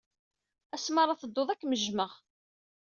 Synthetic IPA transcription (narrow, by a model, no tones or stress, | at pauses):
æsməɾˤɑθəd̪ːoðˤækːməʒməʁ